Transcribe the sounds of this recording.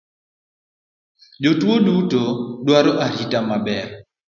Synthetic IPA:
d͡ʒotwodutodwaɾɔʔaɾitamabɛr

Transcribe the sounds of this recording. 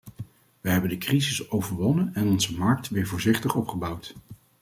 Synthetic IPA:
ʋəɦɛbəndəkrizɪsowvəɹʋɔnənɛnɔnzəmɑɹk̚tʋɪːɹvʊːɹzɪχtəχɔpχəbɑwt

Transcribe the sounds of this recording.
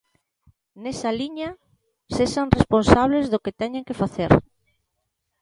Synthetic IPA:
nesɐliɲɐ | seʃaŋresponsaβ̞lezðʊket̪ɛɲeŋkɪfaθeɾ

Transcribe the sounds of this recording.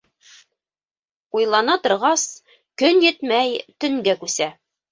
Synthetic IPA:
ujlˠɑnɑt̪ŏɾʁɑs | kɵnjɘt̪mæjt̪ɵ̆ŋɡækʉsæ

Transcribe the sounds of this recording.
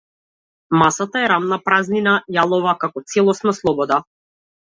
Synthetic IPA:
masat̪aɛɾamnapɾazninajalˠɔvakakɔt̪sɛlˠɔsnaslˠɔbɔd̪a

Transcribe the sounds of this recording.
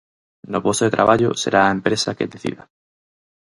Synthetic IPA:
nopost̪oðet̪ɾʔa̰βaʎoseɾʔaːempɾesakeðeθḭða

